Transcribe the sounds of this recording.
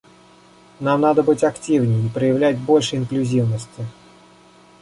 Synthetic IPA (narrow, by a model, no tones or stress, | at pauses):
namnad̪əbɨtʲɐktʲivnʲɪjipɾəjɪvlʲætʲbo̞lʲʂɨɪnklʲʉzʲivnəsʲtʲɪ